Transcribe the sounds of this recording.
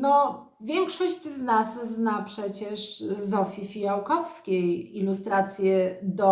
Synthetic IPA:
nɔ | vʲjɛŋkʂɔɕt͡ɕznasznapʂɛt͡ɕɛʂzɔfʲifʲijawkɔfskʲejilust̪ɾat̪sʲjɛd̪ɔ

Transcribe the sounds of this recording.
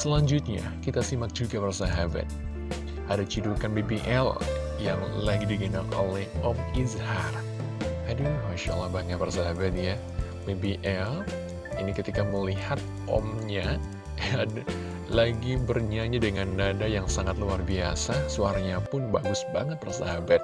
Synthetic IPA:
səlaɲd͡ʒʊt̪̚ɲa̰kit̪asimak̚d͡ʒuɡabərsaɦaba̰t̪̚ | ʔadat͡ʃidukanbibiʔɛl | jaŋlaɡidiɡənakolɛhʔɔmizhar | adujmaʃa̰lːabaŋatbərsaɦabat̪̚ja | bebiʔɛl | inikət̪ikaməlihat̪̚ | ɔ̰mɲa | a | laɡibərɲaɲadəŋanːadajaŋsaŋat̪̚luarbia̰sasuaɾaɲapʊnbaɡʊsbaŋət̪̚bərsa̰ɦabat̪̚

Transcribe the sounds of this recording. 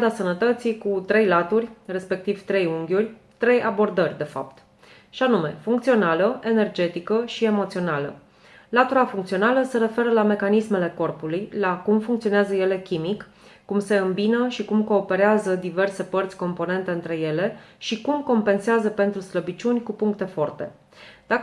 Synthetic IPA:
d̪asənət̪ət̪sikut̪ɾe̞jlat̪urʲre̞spe̞k̚t̪iv̥t̪ɾe̞juŋɡʲurʲ | t̪ɾe̞jʔabo̞rd̪ərʲd̪e̞fa̰pt̪ | ʃanume̞fuŋkt̪sio̞naləe̞ne̞rd͡ʒe̞t̪ikəʃie̞mo̞t̪sio̞nalə̰ | lat̪uɾafuŋkt̪sio̞naləse̞ɾe̞fe̞ɾəlame̞kanisme̞le̞ko̞rpulujlakumfuŋkt̪sio̞neazəje̞le̞kʲimikː | umse̞ɨmbinəʃikumko̞ːpe̞ɾeazəd̪ive̞rse̞pərt̪sʲko̞mpo̞ne̞nt̪e̞ɨnt̪ɾe̞je̞le̞ʃikumko̞mpe̞nseazəpe̞nt̪ɾusləbit͡ʃunʲkupuŋk̚t̪e̞fo̞rt̪e̞ | d̪̥ak

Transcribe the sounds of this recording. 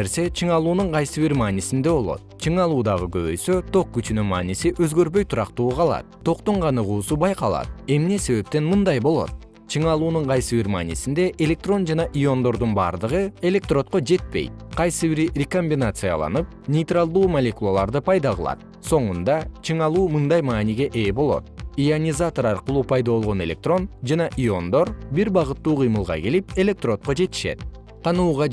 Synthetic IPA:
eɾse̞t͡ʃʰɯɴɑlˠuːnuɴqʰɑjsɨβiɾmaːnisind̪e̞βo̞lˠo̞̰t̪̚t͡ʃʰɯɴɑlˠuːd̪ɑʁɯɡø̞βø̰jsøt̪ʰo̞q̚kːyt͡ʃynymɑːnisiʔøzɡøɾβø̞jt̪ʰuɾɑqt̪uːqʰɑlˠɑ̰t̪̚t̪ʰːo̞qt̪oɴqʰɑnɯʁuːsubɑjqɑlˠɑ̰t̪e̞mne̞se̞βe̞p̚t̪e̞nmɯnd̪ɑjbo̞lˠo̞̰t̪̚ | t͡ʃʰɯɴɑlˠuːnuɴqʰɑjsɨβiɾma̰ːnʲisind̪e̞ʔelʲe̞k̚t̪ro̞nd͡ʒɑnɑʔijo̞nd̪o̞ɾd̪unbɑ̰ːɾd̪ɯʁɯe̞lʲe̞k̚t̪ro̞t̪̚qo̞d͡ʒe̞t̪̚pe̞̰jt̪̚qʰɑjsɨβiɾrʲeko̞mʲbʲinat̪sɨja̰lˠɑ̰nɯp̚nʲejt̪ralˠd̪uːmalʲe̞kulˠalˠɑɾd̪ɯpʰɑjd̪ɑʁɯlˠɑ̰t̪̚ | so̞ɴund̪ɑt͡ʃʰɯɴɑlˠuːmɯnd̪ɑjmɑːniɡʲe̞ʔeːbo̞lˠo̞̰t̪̚ianʲizat̪o̞ɾɑɾqɯlˠuːpʰɑjd̪ɑβo̞lˠʁo̞ne̞lʲe̞k̚t̪ro̞nd͡ʒɑnɑʔio̞nd̪o̞ɾbiɾbɑʁɯt̪ːuːqʰɯjmɯlˠʁɑ̰ke̞lipe̞lʲe̞k̚t̪ro̞t̪̚qo̞d͡ʒe̞t̪i̥ʃe̞̰t̪̚ | qʰɑnuːʁɑ

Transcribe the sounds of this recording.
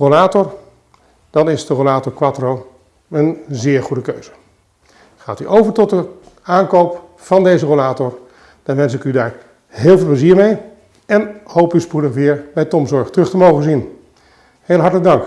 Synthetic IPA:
rolaːtɔɹ | d̥ɑnɪzdərolaːtɔɹkʋatrow | ənzɪːɹχudəkøɥz̥ə | χaːty̰ʔowvəɹtɔtdə | aːnkowp | fɑndejzərolaːtɔɹ | d̥ɑnʋɛns̬ɪkydaːɹ | ɦeːlˠveːlˠpləziːɹmej | ɛnhowpyspudəχʋɪːɹbɛjtɔmzɔɹχtərɵχtəmowχənzin | heːlˠɦɑɹtələɡ̚dɑŋk

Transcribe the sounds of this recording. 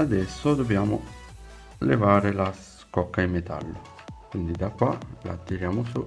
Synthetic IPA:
ad̪ɛsːod̪objaːmʊ̰ | lḛvaːɾelas | kɔkːaimet̪a̰lːo | kwind̪id̪akːwala̰ːt̪ːiɾjaːmosu

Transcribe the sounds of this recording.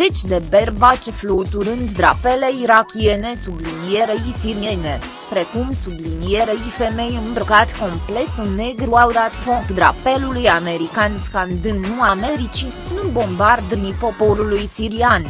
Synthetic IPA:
zet͡ʃʲd̪e̞be̞rbat͡ʃeflut̪uɾɨnd̪d̪ɾa̰pele̞iɾakʲie̞ne̞sublinije̞ɾejsiɾie̞ne̞ | pɾe̞kumsublinijeɾeife̞me̞jɨnbɾkat̪ʲko̞mple̞t̪ɨnːe̞ɡɾuawd̪at̪fokd̪ɾa̰pe̞lulujame̞ɾikanskand̪ɨnːuame̞ɾit͡ʃi | nubo̞mbard̪ɨnipo̞po̞ɾulujsiɾian

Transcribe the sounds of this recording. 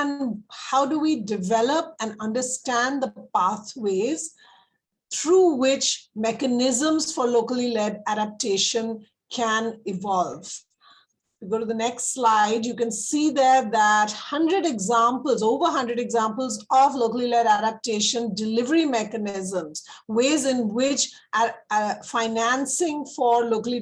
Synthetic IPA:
ɛ̃nhaʊɖuʋiɖɪʋɛləp̚æ̃nʌ̃nɖəɾsʈæ̃nd̪əpaːt̪weːz̥ | t̪ʰɾuːwɪt͡ʃmɛkənɪzə̃mz̥fɔɾloːkəlilɛɖæɖæp̚ʈeːʃə̃n | kʰæ̃nɪʋɔlʋ | uɡoːʈud̪ənɛksslaɪɖjukɛ̃nsiːd̪əɾd̪æʈhʌ̃ɳɖɾəɖɛɡzãmpəlzoːʋəɾɦʌ̃nɖɾəɖɛɡzãmpəlzɔʋloːkəlilɛɖæɾəp̚ʈeːʃə̃nɖɪlɪʋəɾimɛkənɪzə̃mz̥weːzɪ̃nwɪt͡ʃ | faɪnæ̃nsɪ̃ŋfɔːɾloːkəli

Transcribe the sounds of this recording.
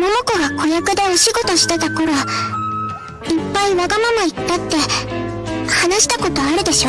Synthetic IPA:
mo̞no̞ko̞ɡako̞jakɯ̟d̪e̞oɕiɡo̞t̪o̞ɕi̥t̪et̪ako̞ɾo | ipːaiβaɡamamait̪ːat̪ːe̞ | hanaɕi̥t̪ako̞t̪o̞aɾɯ̟d̪e̞ɕo̞

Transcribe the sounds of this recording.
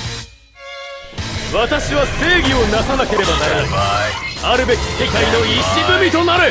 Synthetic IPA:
βat̪aɕiβase̞ːɡʲio̞nasanake̞ɾe̞banaɾenai | aɾɯ̟be̞kʲi̥se̞kaino̞iɕibɯ̟mʲit̪o̞naɾɯ̟

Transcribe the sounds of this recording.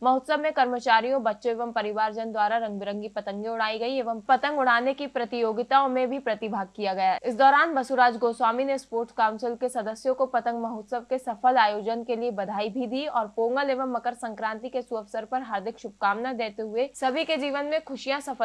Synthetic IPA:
mɐɦʊt̪səbmẽkɐɾmət͡ʃaːɾijõbɐtːʃõeːʋəmpɐɾɪʋaːɾd͡ʒənd̪waːɾaɾɐ̃ŋɡbɪɾə̃ŋɡipɐt̪ə̃ŋɡẽʊɽaːiɡɐieːʋəmpɐt̪ə̃ŋɡʊɽ̤aːnekipɾɐt̪ɪjoːɡɪt̪aõmẽbʱipɾɐt̪ɪbʱaːɡ̚kijaɡɐjaɪsd̪ɔːɾaːnbɐsuɾaːd͡ʒɡoːswaːminespoːɾʈkaːʊnsɪlkesɐd̪əsjõkopɐt̪ə̃ŋɡmɐɦʊt̪səb̚kesɐfəlaːjoːd͡ʒənkeliebɐd̪ʱaːibʱid̪iːɔːɾpoːŋɡəleːʋəmːɐkəɾsɐ̃ŋkɾãːnt̪ikesuɐfsəɾpɐɾɦaːɾd̪ʱɪkʃʊb̚kaːmnad̪eːt̪eɦʊesɐbʱiked͡ʒiːʋənmẽkʰʊʃijãsɐfʰə

